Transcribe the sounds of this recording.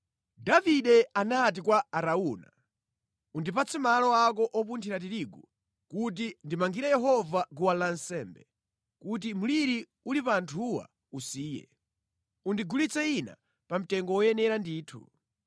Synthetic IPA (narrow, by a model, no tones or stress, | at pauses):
daviɗɛanat̬ikwaːɾauna̰ | undip̬at͡sʰimalɔak̬ɔʔɔpuntʰiɾat̬iɾiɡu | kut̬indimaŋɡiɾajɛɦɔvak̬uwalansɛːmbɛ | kut̬imuliɾi | ulipaːntʰuwa̰ | usiːjɛ̰ | undiɡulit͡sɛina̰ | pam̩tɛŋɡɔwɔjɛnɛɾandiːtʰṵ